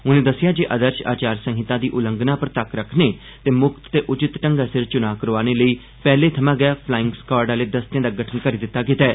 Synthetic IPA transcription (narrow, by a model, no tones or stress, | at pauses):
ʊnẽːd̪əsːɪjaːd͡ʒeːʔəd̪əɾʃa̰ːt͡ʃaːɾsə̃ŋɦɪt̪ãːd̪iːʔʊlə̃ŋɡnaːpəɾt̪əkɾəkʰneː | t̪eːmʊkt̪ːeːʔʊt͡ʃɪt̪ʈəŋɡaːsɪɾt͡ʃʊnaːkəɾoaːneːləiː | pɛːleːt̪ʰəmãːɡɪaːpʰlaːɪ̃ŋɡskɔːɾɖaːleːd̪əst̪ɪjãːd̪aːɡəʈʰənkəɾiːd̪ɪt̪ːaːk̬ɪt̪ɛː